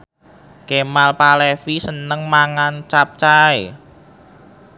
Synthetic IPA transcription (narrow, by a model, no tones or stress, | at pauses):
kemalpalefisənəŋmaŋant͡ʃap̚t͡ʃae